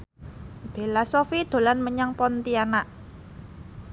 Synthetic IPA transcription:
b̥e̤lasofid̪̥o̤lanməɲaŋpɔnt̪ianaʔ

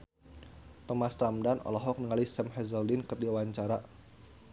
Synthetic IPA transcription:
t̪ɔmast̪ɾamdanɔ̰lɔɦɔk̚nəŋalisɛmɦɛzɔldinkərdiauwaɲt͡ʃaɾa

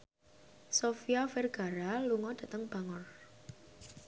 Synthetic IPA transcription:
sofiafɛrɡ̥a̤ɾaluŋɔd̥ä̤t̪əŋb̥a̤ŋʊr

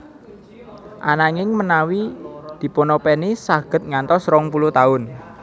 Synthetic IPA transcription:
ʔanaŋɪŋmənawid̪̥i̤ponɔpɛnisaɡ̥ə̤t̪̚ŋant̪ɔsɾɔŋpulut̪aʊn

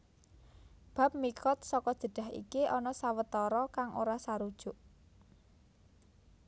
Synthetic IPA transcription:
b̥a̤p̚mikɔt̪̚sɔkɔd̥ʒ̥ə̤ɖ̥a̤ɦḭkiʔɔnɔsawət̪ɔɾɔkaŋʔoɾasaɾud̥ʒ̥ʊʔ

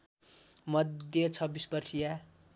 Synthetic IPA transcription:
mʌd̪jʌt͡sʰʌbːisbʌrsija

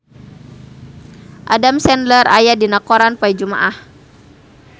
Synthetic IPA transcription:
ʔadamsɛnlərajadinakɔɾanpaid͡ʒuma̰ʔah

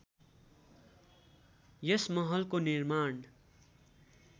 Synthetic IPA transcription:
jʌsmʌɦʌlkonirman

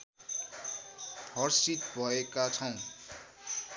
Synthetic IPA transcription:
hʌrsit̪bʱʌekat͡sʰʌw̃

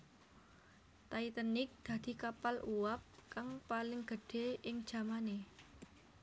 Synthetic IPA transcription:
t̪ait̪ənɪk̚d̪̥ä̤d̪̥i̤kapaluwap̚kaŋpalɪŋɡ̥ə̤ɖ̥e̤ɪŋd̥ʒ̥ä̤mane

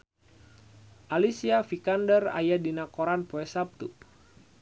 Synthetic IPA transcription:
ʔalisiafikandəra̰jadinakoɾanpoɛsap̚t̪u

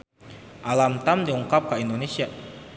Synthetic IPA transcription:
ʔalamt̪amd̪iuŋkap̚kaind̪onesia

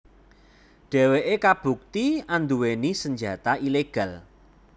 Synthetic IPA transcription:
ɖ̥ɛ̤weʔekab̥ṳk̚t̪iand̪uwenisəɲd͡ʒa̤t̪aʔileɡ̥ä̤l

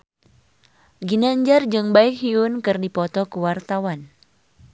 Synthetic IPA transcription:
ɡinaɲd͡ʒard͡ʒɨŋbaik̚ɦiunkɨrdipɔt̪ɔkuwart̪awan

